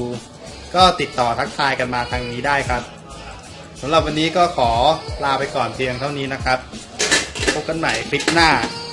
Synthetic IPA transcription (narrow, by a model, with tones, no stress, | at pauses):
kɔː˥˩t̪i˨˩t̪ːɔː˨˩t̪ʰa˦˥k̚t̪ʰaː˧jka˧nmaː˧k̪ʰaː˧ŋniː˦˥daː˥˩jkʰa˦˥p̚ | sa˩˦mɾla˨˩p̚wa˧nːiː˦˥kɔː˥˩kʰɔː˩˦plaː˧pa˧jkɔː˨˩nt̪ʰi˧əŋt̪ʰa˥˩wniː˦˥na˦˥kʰɾa˦˥p̚ | kʰo˧˥ka˧nma˩˦jkʰɾi˦˥p̚naː˥˩